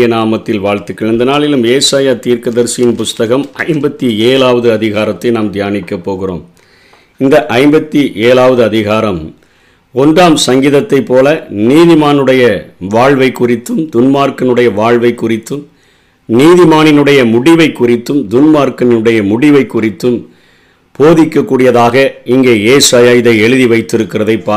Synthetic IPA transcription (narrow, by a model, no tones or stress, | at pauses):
jɐnaːmɐt̪ːɪlʋaːɻt̪ɪkːɐɭɪnd̪ɐnaːlɪlɯmeːsaːjat̪iːɾkɐðɐɾsɪjɪnpʊst̪ɐɣɐmʔɐ̰ɪmbɐt̪ːieːlaːʋɐðɯɐðɪɣaːɾɐt̪ːɐɪnaːmd̪jaːnɪkːɐpːoːɣɪro̰ːm | ɪnd̪ɐʔɐɪmbɐt̪ːiʔeːlaːʋɐðɯɐðɪɣaːɾɐm | ɔnraːmsɐŋɡɪðɐt̪ːɐɪpːoːlɐniːðɪmaːnɯɽɐjɐʋaːɻʋɐɪkːʊrɪt̪ːɯmd̪ʊnmaːɾkɐnɯɽɐjɐʋaːɻʋɐɪkːʊrɪt̪ːɯm | niːðɪmaːnɪnɯɽɐjɐmʊɽɪʋɐɪkːʊrɪt̪ːɯmd̪ʊnmaːɾkɐnɯɽɐjɐmʊɽɪʋɐɪkːʊrɪt̪ːɯm | poːðɪkːɐkːuːɽɪjɐðaːɣɐɪŋɡeːeːsaːjaːjɪðɐɪɛɻɯðiʋɐɪt̪ːɪɾɯkːɪrɐðɐɪpːaː